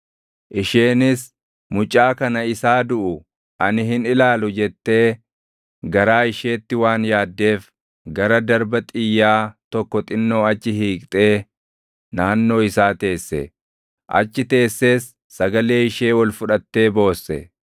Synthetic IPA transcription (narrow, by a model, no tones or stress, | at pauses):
ʔɪʃeːnɪs | mʊt͡ʃʼːaːkɐnɐɪsaːd̪ʊʔʊ | ʔɐnɪɦɪnɪlaːlʊd͡ʒɛt̪ːe̞ː | ɡɐɾaːɪʃe̞ːt̪ːɪwaːnjaːd̪ːe̞ːf | ɡɐɾɐd̪ɐɾbɐt̪ʼɪjːaːt̪ɔkːɔt̪ʼɪnːo̞ːɐt͡ʃːɪhiːkʼt̪ʼe̞ː | naːnːo̞ːɪsaːt̪e̞ːsːɛ̰ | ʔɐ̰t͡ʃːɪt̪e̞ːsːe̞ːsː | ɐɡɐle̞ːɪʃe̞ːwɐlfʊᶑɐt̪ːe̞ːbo̞ːsːɛ̰